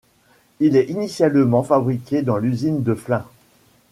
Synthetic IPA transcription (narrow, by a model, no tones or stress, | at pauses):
ilɛinisjalmɑ̃fabʁikʲed̪ɑ̃lyzind̪əflɛ̃